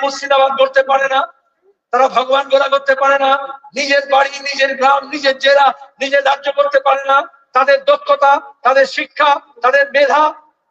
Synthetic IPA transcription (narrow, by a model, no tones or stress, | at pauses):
musid̪abad̪̚ɡʱoɾt̪epaɾena | t̪aɾabʱɔɡobanɡoɾakoɾt̪epaɾenanid͡ʑeɾbaɽinid͡ʑeɾɡɾamnid͡ʑeɾd͡ʑelanid͡ʑeɾɾad͡ʑokoɾt̪epaɾena | t̪ad̪eɾd̪okʰːot̪at̪ad̪eɾʃikʰːat̪ad̪eɾbed̪ʱa